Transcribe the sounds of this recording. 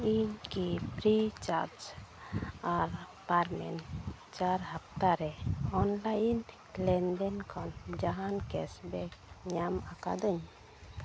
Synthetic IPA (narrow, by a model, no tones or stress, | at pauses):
iɲkipɾit͡ʃaɾd͡ʒ | aɾ | paɾmɛ̰n | t͡ʃaɾhap̚t̪aɾɛɔnlajn | lɛnɖɛnkʰɔnd͡ʒaɦankɛsbɛkɲamaka̰d̪əɲ